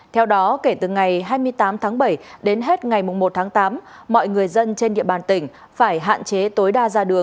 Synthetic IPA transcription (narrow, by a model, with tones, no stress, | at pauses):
t̪ʰɛ˧wɗɔ˨˦ke˧˩t̪ɨ˨˩ŋa˨˩jɦaː˧jmɨ˧əjt̪aː˨˦mt̪ʰaː˨˦ŋɓə˧˩jɗe˨˦nɦe˦˥t̚ŋa˨˩jmʊ˨˩ŋ͡mmo˨˩t̚t̪ʰaː˨˦ŋt̪aː˨˦mː | ɔ̰˧˨jŋɨ˨˩əjzə˧nt͡ɕe˧nɗḭ˧˨əɓaː˨˩nt̪ï˧˩ŋ̟ | faː˧˩jɦa̰ː˧˨nt͡ɕe˨˦t̪o˨˦jɗaː˧zaː˧ɗɨ˨˩əŋ